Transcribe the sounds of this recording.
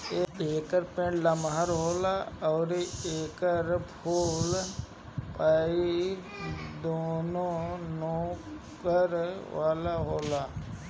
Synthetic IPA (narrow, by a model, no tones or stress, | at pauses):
eeːkəɾpẽːɳlamɦaɾɦoːlaɔːɾeːkəɾpʰoːl | paːi | d̪oːnõnõː | pəɾʋaːlaɦoːlaː